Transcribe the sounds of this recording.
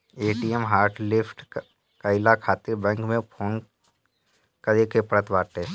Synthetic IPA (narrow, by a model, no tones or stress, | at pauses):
eːʈiːɛmɦaːɾʈʰlɪpʰʈ | kəɪlakʰaːt̪ɪɾbɛ̃ːŋkmẽpʰoːn | kəɾekepəɾət̪baːʈeː